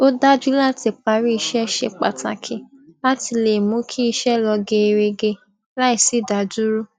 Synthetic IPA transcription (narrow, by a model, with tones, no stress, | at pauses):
o˦da˦d͡ʒu˦la˦˨ti˨k͡pa˧˦ɾi˦i˧ʃɛ˦˧ʃe˧k͡pa̰˨ta̰˨kʰe˨ | la˦ti˧le˨mũ˨˦kʰi˦i˧ʃɛ˦˨lɔ˧ɡe˧e˧ɾe˧ɡe˧ | la˦i˨si˦˨da˨˦d͡ʒu˦ɾu˦